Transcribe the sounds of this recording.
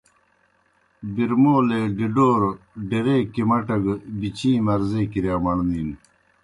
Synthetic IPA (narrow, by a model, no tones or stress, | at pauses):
biɾmoːleɖiɖoːɾ | ɖeɾeːkimɐʈɐɡbit͡ɕʰĩːmɐɾzeːkiɾjaːmɐɳniːn